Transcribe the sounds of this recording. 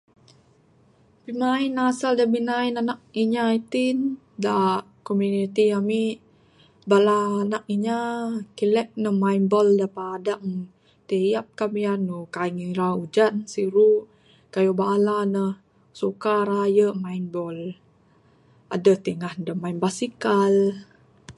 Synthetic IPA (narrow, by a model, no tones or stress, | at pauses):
pimainasaldabinainanak̚iɲait̪in | da | komjunit̪iami | balaːnak̚iɲakilɛk̚nəhmainbɔldapaːdaʔ | t̪əjap̚kamijanukaiŋiɾaud͡ʒansiɾu | kajobaːlanəh | sukaɾajəmainbɔl | a̰dət̪əŋahdəmainbasikal